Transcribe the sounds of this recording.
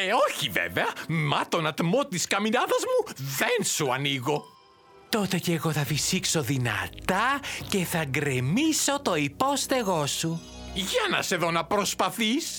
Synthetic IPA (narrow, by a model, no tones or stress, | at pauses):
eo̞çivḛveɐmɐt̪o̞nɐt̪mo̞t̪iskɐminɐðɐzmuðensuɐniɣo̞ | t̪o̞t̪e̞ceːɣo̞θɐfisikso̞ðinɐ̰t̪ɐce̞θɐɡɾemiso̞t̪o̞ipo̞st̪e̞ɣo̞su | ʝɐnɐ̰se̞ðo̞nɐpɾo̞spɐθis